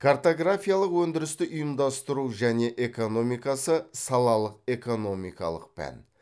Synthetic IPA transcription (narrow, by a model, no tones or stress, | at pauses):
kʰart̪o̞ɡrafijalˠəqwɵnd̪ɪɾɪst̪ɪʔʊjəmd̪ɑst̪əɾuʒæne̞ʔe̞ko̞no̞mijkɑsəsɑlˠɑlˠəq̚e̞ko̞no̞mḭjkɑ̰lˠə̰q̚pʰæ̰n